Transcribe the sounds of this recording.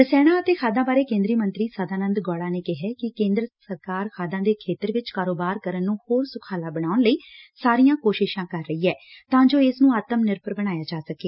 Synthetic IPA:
ɾəsɛːɽ̃ãːət̪eːkʰaːd̪ãːbaːɾeːkẽːnd̪ɾiːmənt̪ɾiːsəd̪ʱaːnənd̪ɡɔːɽaːneːkɪɦɛːkɪkẽːnd̪ɾəsəɾkaːɾkʰaːd̪ãːd̪eːkʰeːt̪əɾʋɪt͡ʃkaːɾoːbaːɾkəɾənːũːhoːɾsʊkʰaːlaːbəɽaːʊnləiːsaːɾijãːkoːʃɪʃãːkəɾːəiːɛːt̪ãːd͡ʒoːɪsnũːaːt̪əmnɪɾpəɾbəɽ̃aːjaːd͡ʒaːsəkeː

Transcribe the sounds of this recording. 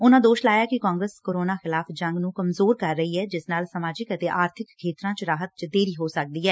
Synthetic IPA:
ʊnãːd̪oːʃlaːjaːkɪkaːŋɡɾəskoːɾoːnaːxɪlaːfd͡ʒəŋɡnũːkəmzoːɾkəɾːəɦiːɦɛːd͡ʒɪsnaːlsəmaːd͡ʒɪkət̪eːʔaːɾt̪ʰɪkkʰːeːt̪ɾãːt͡ʃɾaːɦət̪̚t͡ʃd̪eːɾiːɦoːsək̚d̪iːɦɛː

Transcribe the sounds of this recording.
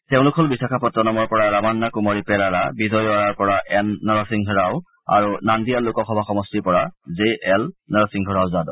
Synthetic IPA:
teʊ̃lʊkʰɔlbisakʰapɔtɹɔnɔmɔɹpɔɹaɹamanːakumɔɹipɛlaɹabizɔjaɹaɹpɔɹaʔɛnːɔɹɔsiŋɡʱɔɹaw | a̰ɹunandijalʊkɔxɔbʱaxɔmɔstipɔɹazeɛlnɔɹɔsiŋɡʱɔɹawzadɔ

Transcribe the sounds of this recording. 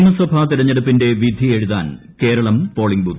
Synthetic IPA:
ɳɐsɐbʱaːt̪iɾɐɲːɐɽupːinde̞ʋid̪ʱieɻuða̰ːn | ke̞ːɾɐɭɐmpo̞ːɭiŋɡbu

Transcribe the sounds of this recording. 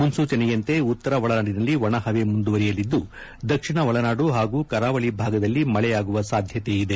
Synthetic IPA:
munsuːt͡ʃɐnɛjɐnt̪e̞ut̪ːɐɾɐʋɐɭɐnaːɖinɐlːiʋɐɳɐhɐʋe̞mund̪uʋɐɾijɐlid̪ːu | d̪ɐkʂiɳɐʋɐɭɐnaːɖuɦaːɡuːkɐɾaːʋɐɭibʱaːɡɐd̪ɐlːimɐɭɛjaːɡuʋɐsaːd̪ʱjɐt̪e̞id̪e

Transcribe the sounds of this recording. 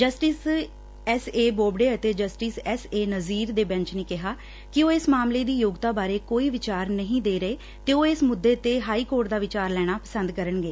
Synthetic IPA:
d͡ʒəsʈiːs | ɛseːboːbɽeːət̪eːd͡ʒəsʈiːsɛseːnəziːɾd̪eːbɛ̃ɲt͡ʃnẽːkɪɦaː | kɪoːɪsmaːmleːd̪iːjoːɡt̪aːbaːɾeːkoːiːʋɪt͡ʃaːɾnəɦĩːd̪eːɾəeː | t̪eːoːɪsmʊd̪ːeːət̪eːɦaːiːkoːɾʈd̪aːʋɪt͡ʃaːɾlɛːɽ̃aːpəsənd̪kəɾəɳɡeː

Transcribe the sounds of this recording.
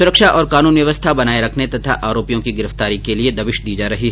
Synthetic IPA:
sʊɾəkʃaʔɔːɾkaːnuːnʋjɐʋəst̪ʰabɐnaːeɾɐkʰnet̪ɐt̪ʰa̰ʔaːɾoːpijõkiɡɪɾəft̪aːɾikelied̪ɐbɪʃd̪iːd͡ʒaːɾɐɦiɦɛ

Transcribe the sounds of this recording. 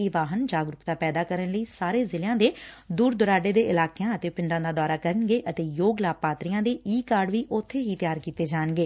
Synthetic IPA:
iːʋaːɦənd͡ʒaːɡɾʊkd̪aːpɛːd̪aːkəɾənləiːsaːɾeːzɪlɪjãːd̪eːd̪uːɾd̪ʊɾaːɖeːd̪eːʔɪlaːkjãːət̪eːpɪɳɖãːd̪aːd̪ɔːɾaːkəɾənɡeːʔət̪eːjoːɡlaːpaːt̪ɾijãːd̪eːiːkaːɾɖʋiːʔʊt̪ʰːeːɦiːt̪jaːɾkiːt̪eːd͡ʒaːəɳɡeː

